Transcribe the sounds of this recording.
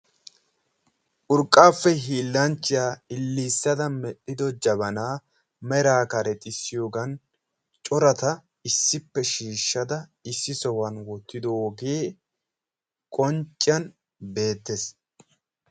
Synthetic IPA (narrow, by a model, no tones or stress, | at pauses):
ʔʊɾkʼːaːfːɛɦiːlːɐnt͡ʃːɪjaːɪlːiːsːɐd̪ɐmɛɗːɪd̪ɔd͡ʒɐbɐnaː | mɛɾaːkɐɾɛt̪ʼɪsːɪjo̞ːɡɐn | t͡ʃʼɔɾɐt̪ɐ | ɪsːɪpːɛʃiːʃːɐd̪ɐɪsːɪsɔwɐnwɔt̪ːɪd̪oɔɔɡeː | kʼɔnt͡ʃʼːɪɐn | be̞ːt̪ːes